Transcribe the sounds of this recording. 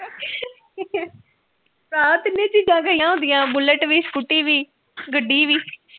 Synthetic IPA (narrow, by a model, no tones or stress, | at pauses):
ɾãːt̪ɪnːẽːt͡ʃiːd͡ʒãːɡəiãːɦõːnd̪ɪjãːbʊləʈʋiːspʊʈːiːʋiː | ɡəɖiːʋiː